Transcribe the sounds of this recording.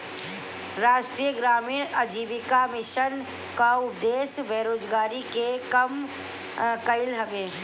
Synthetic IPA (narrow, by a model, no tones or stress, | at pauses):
ɾaːʃʈɾiːjəɡɾaːmiːɾəd͡ʒiːʋɪkamɪʃən | kaʊpd̪eːsbʱeːɾoːd͡ʒɡaːɾikekəm | kɐɪlɦəʋeː